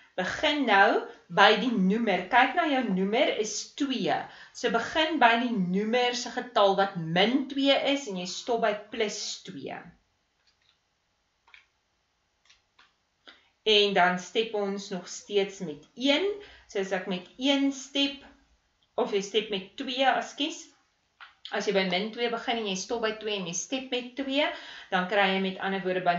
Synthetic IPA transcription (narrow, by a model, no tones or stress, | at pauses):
b̥əχənːɐwbəjdinʉmərkɛjknɑːjœwnʉməɾəstwiəsəbəχənbəjdinʉmərsəχətɐlˠvɐtməntwiəʔəsɛnjɛjstɔp̚bəjpləstwiə | ɛndɐnstɛpɔnsnɔχstiətsmɛtiənsəsɛkmɛtiənstɛp | ɔfjəjstɛp̚mɛtːwiəɐskis | ʔɐsjəjbɐjməntwiəbəχənɛnjɛjstɔp̚bəjtwiəɛnjɛjstɛp̚mɛtːwiəd̥ɐnkrɛjəjmɛtɐnərvuəɾdəbɐ